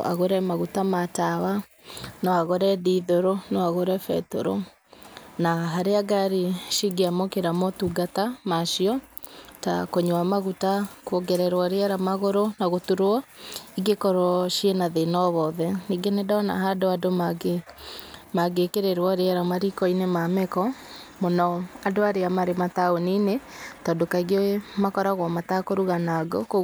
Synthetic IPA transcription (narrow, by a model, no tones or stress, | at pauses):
ʔa̰ɣoɾɛmaɣutamatawa | nɔaɣoɾɛdiðoɾonɔaɣoɾɛfɛ̰to̰ɾo̰ | naɦaɾeaɡaɾiʃiɡeamɔkeɾamɔtuɡatamaʃiɔ | ta̰koɲoamaɣutakwoɡɛɾɛɾwaɾeaɾamaɣoɾonaɣotuɾoɔiɡekɔɾɔʃienaðenɔβɔðɛniɡenɛdaɔna̰ɦadoadomɡe | maɡekeɾeɾwaɾeaɾamaɾikɔinemamɛkɔ | mɔnɔadoaɾeamaɾemataoninetɔːdokaiɡmakɔɾaɣwɔmatakoɾuɣanaɡoko